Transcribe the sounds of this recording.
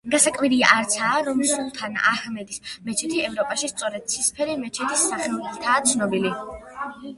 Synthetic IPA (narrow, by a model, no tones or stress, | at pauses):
ɡasakʼwiɾia̰ʔaɾt̪sʰaːɾɔmsulˠt̪ʰana̰hmɛd̪ismɛt͡ʃʰɛt̪ʰiɛvɾɔpʼaʃist̪sʼɔɾɛd̪̥̚t̪sʰispʰɛɾimɛt͡ʃʰɛt̪ʰisːaχɛlɛlt̪ʰaːt̪sʰnɔbili